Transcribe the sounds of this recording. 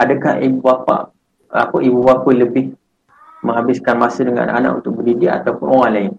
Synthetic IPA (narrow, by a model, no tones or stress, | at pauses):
adəkahibubapa̰ʔ | a̰paʔibubakujləbɪh | mə̃ŋɦabɪskanmasədəŋa̰ʔna̰ʔana̰ʔṵnt̪ʊk̚bədidiʔa̰t̪aupʊnoɣaŋlaɪn